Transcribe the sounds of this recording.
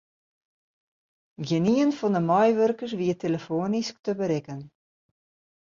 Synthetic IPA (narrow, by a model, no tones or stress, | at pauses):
ɡəniənfɔndəmɔjʋørkəs̬ʋiəteləfoːənisk̚təbəɾɪkən